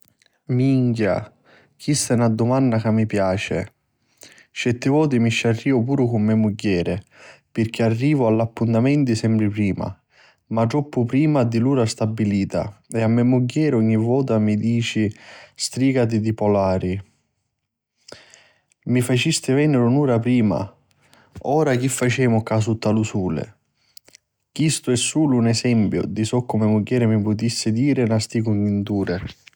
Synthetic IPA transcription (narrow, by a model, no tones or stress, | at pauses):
miŋkja̰ | k̟ʰist̪anad̪ːʊmanːakamːipjaːt͡ʃɪ̰ | t͡ʃɛt̪ːɪvɔːt̪̬imit͡ʃːarːiːvʊpuːɾʊkʊmːɛmuɟːɛːɾɪpɪrk̟ʰɪarːiːvʊalːapːunt̪amɛnt̪isɛmpɾɪpɾiːma̰ | mat̪ɾɔpːʊpɾiːmad̪iluːɾast̪abːiliːt̪a̰ɛamːɛmuɟːɛːɾɔɲːivɔːt̪amid̪iːt͡ʃist̪ɾiːkat̪̬ɪd̪ipɔlaːɾi | mifat͡ʃist̪ɪvɛnɪɾunuːɾapɾiːma̰ | ɔːɾak̟ifːat͡ʃɛːmʊkas̬ut̪ːalusuːlɪ̰ | kist̪ʊɛsːuːlʊːnɛsɛmpjʊ̰d̪isɔkːʊmɪmuɡːɛːɾɪmipʊt̪isːɪd̪iːɾɪnast̪ikuɲːint̪uːɾɪ